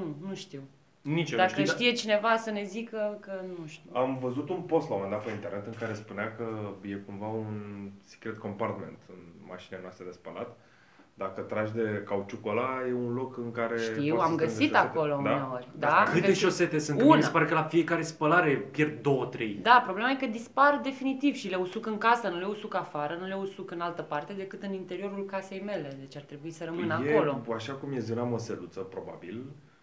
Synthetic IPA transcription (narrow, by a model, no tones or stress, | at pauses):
nunuʃt̪iw | nit͡ʃend̪aʃtiʃt̪ijet͡ʃine̞vasəne̞zikəkənuʃt̪iamvəzut̪unpo̞st̪lawomend̪at̪peint̪e̞rne̞t̪ɨŋkaɾe̞spunɪakəje̞kuɱvaunsi̥kɾet̪̚ko̞mpart̪me̞̰nt̪ɨnma̰ʃineanast̪ɾed̪e̞spəla̰t̪ | d̪akət̪ɾaʒd̪e̞kawt͡ʃukolaje̞unlo̞kɨŋkaɾeʃt̪iwamɡəsiako̞lo̞uneorʲd̪akɨt̪eʃo̞se̞t̪e̞sɨnkunispaɾekəlafije̞kaɾespəlaɾe̞pjerd̪̚d̪o̞wət̪ɾe̞jd̪apɾo̞blemajekəd̪ispard̪e̞finit̪iv̥ʃileusukɨŋkasənuleusukafaɾənule̞usukɨnalt̪əpart̪e̞d̪e̞kɨt̪ɨnint̪e̞ɾio̞ɾulkase̞jme̞le̞d̪e̞t͡ʃart̪ɾe̞buisəɾəmɨnəajekolo̞aʃakumjezunamoselut̪səpɾo̞ba̰bil